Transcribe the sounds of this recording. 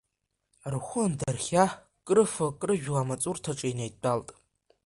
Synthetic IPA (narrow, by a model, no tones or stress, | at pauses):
rχʷʊndarχʲa | kʼrɨfɐkʼrɨʒᶣʷʁamat͡sʼurtʰaʈ͡ʂʼainejdʼaltʼ